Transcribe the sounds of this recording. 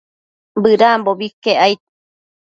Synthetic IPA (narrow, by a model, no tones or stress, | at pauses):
bɨɾamboβikeʔajt̪̚